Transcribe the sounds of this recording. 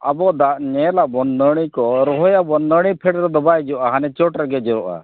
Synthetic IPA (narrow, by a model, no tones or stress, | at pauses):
abɔd̪aʔɲɛlabɔnːəɽ̃ikɔɾɔɦɔjabɔnəɽ̃ipʰɛɽɾɔd̪ɔbajd͡ʒɔʔaɦanɛt͡ʃɔʈɾɛɡɛd͡ʒɔɾɔʔa̰